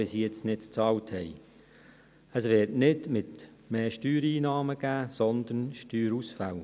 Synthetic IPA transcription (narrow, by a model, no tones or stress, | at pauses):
esiɛt͡snɪtt͡st͡sɑːwthɛɪ | əsʋɪːtnɪdmɪt | meːʃtyːɾiːnɑːməɡ̥æːsɔnd̪ənʃtyːɾusfaw